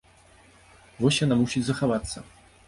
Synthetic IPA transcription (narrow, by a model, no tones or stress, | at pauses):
vɔsʲjanamusʲit͡sʲzɐxavat̪sːɐ̰